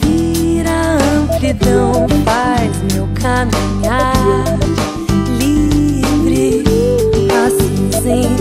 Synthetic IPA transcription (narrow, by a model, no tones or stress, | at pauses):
viɾaɐ̃plid̪ɐ̃w̃fa | jzmewkʰamĩɲa | li | vɾɪ | pasĩ | zẽj̃